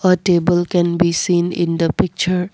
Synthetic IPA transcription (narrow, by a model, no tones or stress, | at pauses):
əʈeːbəlkɛ̃nbisĩːnɪ̰̃nd̪əpɪk̚t͡ʃəɾ